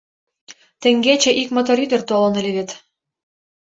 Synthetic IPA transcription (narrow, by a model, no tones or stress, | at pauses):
t̪ɘ̆ŋɡet͡ɕĕʔikmot̪̬oɾyd̪ə̆rt̪olɤ̆nelʲeβet̪